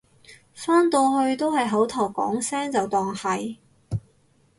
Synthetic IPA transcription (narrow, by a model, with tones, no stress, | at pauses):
faː˥nt̪oː˧hɵ˧ɥt̪o˥whɐ˨jɦɐ˨˥wt̪ʰɔː˨˩wkɔ̰ː˨˥ŋsɛː˥ŋt͡sɐ˨wt̪ɔː˨ŋhɐ˨j